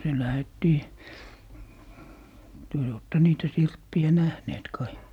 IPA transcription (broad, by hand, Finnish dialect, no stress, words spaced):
se læhetːiː tyø jo oːtːe niːtæ sirpːiæ næhneːt kɑi